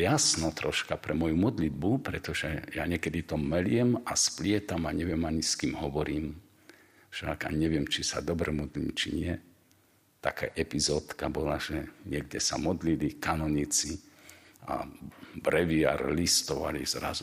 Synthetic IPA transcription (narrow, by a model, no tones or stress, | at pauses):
jasnɔt̪ɾɔʃkapɾɛmɔjumɔd̪lid̪̚bupɾɛt̪ɔʒɛjaɲɪɛkɛd̪it̪ɔmɛlɪɛmasplɪɛt̪amaɲɛʋɪɛmaɲiskiːmɦɔʋɔɾiːm | ʃakaɲɛʋɪɛmt͡ʃisa̰d̪ɔbɾɛmɔd̪lḭːmt͡ʃḭɲɪɛ | t̪akaʔɛpizɔːt̪kabɔlaʒ̥ɛɲɪɛɡdɛsa̰mɔd̪lilikanɔɲit͡si | a̰bɾɛʋia̰ɾlist̪ɔʋa̰lḭzɾa̰zu